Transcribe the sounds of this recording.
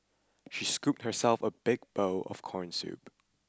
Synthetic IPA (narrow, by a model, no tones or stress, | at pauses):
ʃiskup̚t̚hə˞sɛlˠfəbɪɡ̚b̥oʊʔɔ̰fkʰɔɹnsṵp